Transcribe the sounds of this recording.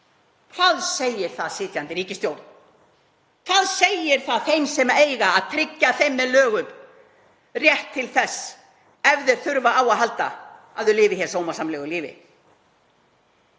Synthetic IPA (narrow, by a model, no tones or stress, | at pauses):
kʰfaðsejɪɾ̥θaðsɪːt̪jant̪ɪɾiːcɪst̪jowɾt̪n | kʰfaðsejɪɾ̥θaðθejmsɛmejɣaːðt̪ʰɾɪcːaθejmːɛðlœːɣʏm | rjɛht̪ʰːɪlθɛsː | ɛvðɪɾ̥θʏɾvaawaðɦalt̪a̰ | aðʏlɪːvɪçɛɾ̥soːwmasamlɛɣʏliːvɪ̰